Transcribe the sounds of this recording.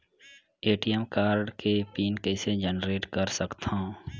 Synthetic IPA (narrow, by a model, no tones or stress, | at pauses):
eːʈijɛmkaːɾɖkepiːnkɛːsed͡ʒənɾeːʈkəɾsəkt̪ã